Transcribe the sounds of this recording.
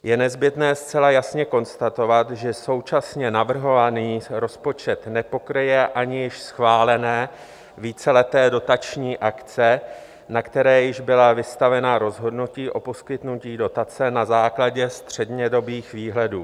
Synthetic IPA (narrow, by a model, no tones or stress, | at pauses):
jɛnɛzbɪt̪nɛːst͡sɛlajasɲɛko̞nst̪at̪o̞vat̪ʒɛso̞wt͡ʃasɲɛnavr̩ɦo̞vaniːɾo̞spo̞t͡ʃɛt̪nɛpo̞kɾɪjɛʔaɲɪjɪʃsxvaːlɛnɛː | viːt͡sɛlɛt̪ɛːdo̞t̪at͡ʃɲiːʔakt͡sɛ | nakt̪ɛɾɛːjɪʒbɪlavɪst̪avɛnaɾo̞zɦo̞dnuciːʔo̞po̞skɪt̪nuciːdo̞t̪at͡sɛnazaːklaɟɛst̪r̝̥ɛdɲɛdo̞biːxviːɦlɛduː